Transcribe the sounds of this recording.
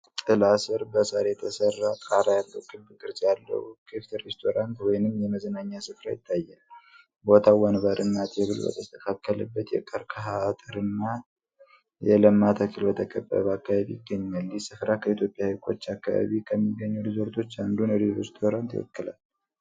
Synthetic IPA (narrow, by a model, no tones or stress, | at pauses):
t̪ʼɨlasɨɾbəsaɾet̪ʰəsərːat̪ʼaɾajalːəwkʰʼɨlbɡʼɨɾzʼjalːə̰wkʰeft̪ʰɾest̪ʰo̞ɾant̪wɔjnɨmjɛməzənaɲːasɨfɾajɪt̪ʰːajːal | bo̞t̪ʰawənbəɾʔɨnːat̪ʰʼeβɨlbə̰t̪ʰəst̪ʰəkʰakːələbːət̪jɛ̰kʼəɾkʰəɦat̪ʼɨɾɨnːa | jɛləmːat̪ʰakʰɨlbət̪ʰəkʼəbːə̰βəakːaβaβḭjɪɡːəɲːalːisɨfɾakʰəit̪ʰjo̞pʼːjahɨkʰo̞t͡ʃːakːaβa̰βikʰəmːiɡːəɲːuɾizo̞ɾt̪ʰo̞t͡ʃːand̪unɾiɾest̪ʰo̞ɾant̪jwɔ̰kːɨla̰l